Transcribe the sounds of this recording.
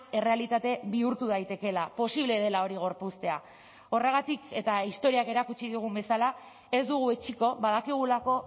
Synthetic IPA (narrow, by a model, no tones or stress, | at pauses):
e̞re̞alit̪at̪e̞βiuɾt̪uðajt̪e̞ke̞lapo̞siβ̞le̞ð̞e̞lao̞ɾiɣ̞o̞ɾpust̪e̞a | o̞re̞ɣat̪ike̞t̪aist̪o̞ɾiake̞ɾakut͡ʃiðiuɣ̞umbe̞sala | e̞zd̪uɣ̞ue̞t͡ʃiko̞βað̞akiɣ̞ulako̞